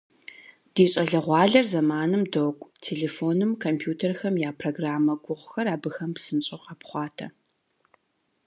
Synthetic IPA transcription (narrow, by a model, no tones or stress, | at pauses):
d̥iːɕʼɐɮɐʁʷɑːɮɐrzɐmaːnɨmdoːkʷʼtʰeːɮeːfoːnɨmkʰompʰjuːtʰɐrxɐmjaːpʰroːɡraːmɐɡʷʊʁʷxɐraːbɨxɐmpsɨnɕʼoqɐpχʷɑːtʰɐ̰